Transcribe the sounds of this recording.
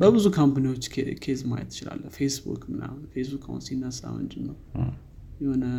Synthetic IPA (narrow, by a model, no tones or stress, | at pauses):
bəbɨzukʰampaniwo̞t͡ʃːekʰezmajə̰t̪ʰːɪt͡ʃɪla̰lːəhfesbṵkmɨna̰hunfesbukʰʼahṵnsinːasʼa̰wə̰nd͡ʒɪmːəw | jɛho̞nə